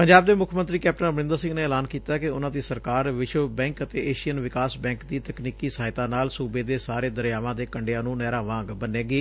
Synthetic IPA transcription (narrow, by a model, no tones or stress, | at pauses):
pəɲd͡ʒaːb̚d̪eːmʊkʰmə̃nt̪ɾiːkɛːp̚ʈənəbnɪ̃nd̪əɾsɪ̃ŋɡneːɛːlaːnkiːt̪aːkɪʊnãːd̪iːsəɾkaːɾʋɪʃʋəbɛ̃ːŋkət̪eːʔeːʃijənʋɪkaːsbɛ̃ːŋkd̪iːt̪əkniːkiːsaːɦɪt̪aːnaːlsuːbeːd̪eːsaːɾeːd̪əɾjaːʋãːd̪eːkəɳɖejãːnũːnɛːɾãːʋãːŋɡbəneːɡeː